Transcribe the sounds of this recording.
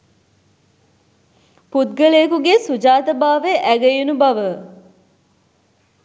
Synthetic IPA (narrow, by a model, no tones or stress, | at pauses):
pud̪ɡəleːkuɡesud͡ʒaːt̪ɐbaːʋeʔæɡəjunubɐʋə